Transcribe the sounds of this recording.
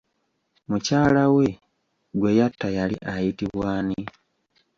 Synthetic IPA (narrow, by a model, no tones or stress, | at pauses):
mucaːlawe̞ | ɡwe̞jatːajalḭʔajitiβwaːni